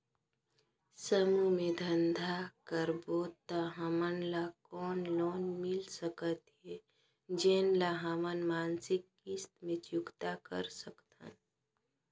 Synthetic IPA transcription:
səmumẽd̪ʱənd̪ʱakəɾboːt̪ːaɦəmənlakɔːnlɔːnmɪlsəkət̪ɦeː | d͡ʒeːnlaɦəmənmaːnsɪkːist̪mẽt͡ʃjʊkt̪akə̰ɾsəkt̪ə̰n

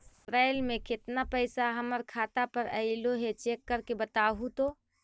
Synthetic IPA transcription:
ɪsɾailmẽkɪt̪napəɪsaɦəməɾkʰaːt̪apəɾəɪloɦet͡ʃekːəɾkebət̪aɦut̪o

